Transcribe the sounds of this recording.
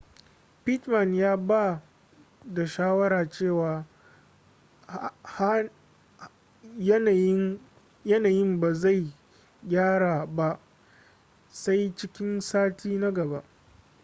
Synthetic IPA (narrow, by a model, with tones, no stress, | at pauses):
pɪ˦tma˨njaː˦ba˦ | da˨ʃaː˦wɐ˦ɾaː˨t͡ʃeː˦˨waː˨ | h | jɐ˦naː˨jɪ˦mba˨za˦˨j | ɡʲaː˦ɽa˨ba˦ʔ | sa˦jt͡ʃɪ˦kʲɪ˦nsaː˦tʰiː˦na˦ɡɐ˨ba˦ʔ